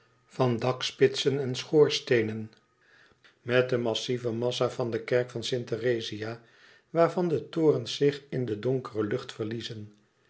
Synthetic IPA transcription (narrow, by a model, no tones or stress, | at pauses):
vɑndɑkspɪtsənɛnsχʊːɹstejnən | mɛt̚dəmɑsivəmɑsavɑndəkɛɹkfɑnsɪntərejzia | ʋaːɹvɑndətoːrənzɪχɪndədɔŋkərəlɵχtfəɹlizən